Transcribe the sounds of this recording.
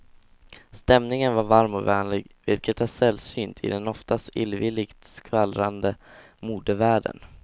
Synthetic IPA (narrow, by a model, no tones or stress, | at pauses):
st̪ɛmnɪŋənvaɾvaɾmɔvɛːnlɪɡvɪlkət̪hæʂɛlːsyːnt̪ʰɪ̰d̪ɛnɔft̪ast̪ɪlvɪlːɪɡt̪skʰvalɾand̪ə | muːd̪əvæːɖə̰n